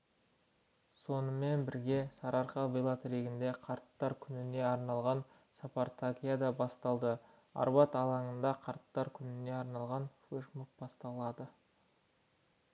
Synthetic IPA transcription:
so̞nəme̞nbɪɾɡʲe̞sɑɾɑɾqɑbilˠɑt̪ɾe̞ɡʲɪnd̪e̞qʰɑɾt̪ːɑɾkʲʰʏnɪne̞ɑɾnɑlˠʁɑn | sɑpaɾt̪ʰakʲijad̪ɑbɑst̪ɑlˠd̪ə | ɑ̰ɾbɑt̪ɑlˠɑɴənd̪ɑqʰɑɾt̪ːɑɾkʲʰʏnɪne̞ɑɾnɑlˠʁɑnfeʃmuk̚bɑst̪ɑlˠɑd̪ə

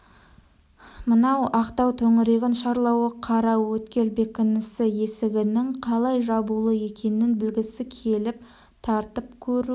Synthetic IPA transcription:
mənɑwɑqt̪ɑwt̪ʰɵŋɪɾeɡʲɪnʃɑɾlˠɑwəqʰɑɾɑwɵt̪kʲe̞lbe̞kʲɪnɪsɪje̞sɪɡʲɪnɪŋqʰɑlˠɑjʒɑbulˠəje̞kʲe̞nɪnbɪlɡʲɪsɪkʲʰe̞lɪp̚ | t̪ʰɑɾt̪əp̚kʲʰɵɾu

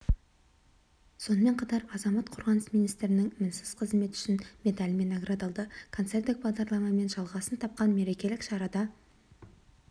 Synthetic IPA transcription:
so̞nəme̞ɴqʰɑt̪ɑɾɑzɑmɑt̪qʰoɾʁɑnəsmijnijst̪ɪɾɪnɪŋmɪnsɪz̥qʰəzme̞t̪ʏ̥ʃɪnmʲe̞t̪alʲme̞naɡɾad̪ɑlˠd̪əkʰo̞nt̪se̞rt̪ɪk̚bɑʁd̪ɑɾlˠɑmɑme̞nʒɑlˠʁɑsənt̪ʰɑp̚qɑnme̞ɾe̞kʲe̞lɪkʃɑɾɑd̪ɑ

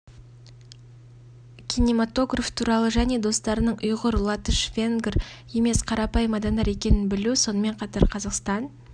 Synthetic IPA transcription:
kʲʰijnemat̪o̞ɡraft̪ʰuɾɑlˠəʒæne̞d̪o̞st̪ɑɾənəɴʔʊjʁəɾlˠɑt̪əʃvʲe̞ŋɡʲrje̞me̞sqʰɑɾɑpɑjəmɑd̪ɑnd̪ɑɾe̞kʲe̞nɪnbɪluso̞nəme̞ɴqʰɑt̪ɑɾqʰɑzɑqst̪ɑn

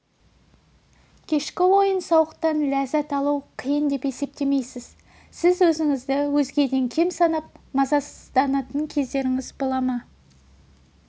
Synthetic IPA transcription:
kʲʰe̞ʃkʲɪwo̞jənsɑwəqt̪ɑnlæzæt̪ɑlˠuwqʰijənd̪e̞pe̞se̞p̚t̪e̞me̞jsɪz̥ | sɪzwɵzɪŋɪzd̪ɪwɵzɡʲe̞d̪e̞ŋkʲʰe̞msɑnɑp̚mɑzɑszd̪ɑnɑt̪əŋkʲʰe̞zd̪e̞ɾɪŋɪzbolˠɑmɑ

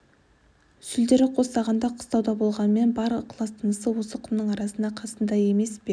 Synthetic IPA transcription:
sʏld̪e̞ɾɪqʰo̞st̪ɑʁɑnd̪ɑqʰʊ̥st̪ɑwd̪ɑbo̞lˠʁɑnəme̞nbɑɾəqʰlˠɑst̪ʰənəsəwo̞səqʰʊmnəɴɑɾɑsənd̪ɑqʰɑsənd̪ɑje̞me̞sbe

